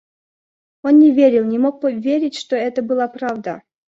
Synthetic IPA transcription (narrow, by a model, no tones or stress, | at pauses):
onnʲɪvʲeɾʲɪlˠnʲɪmok̚pəvʲeɾʲɪtʲʂt̪oɛt̪əbɨlˠapɾavd̪ə̰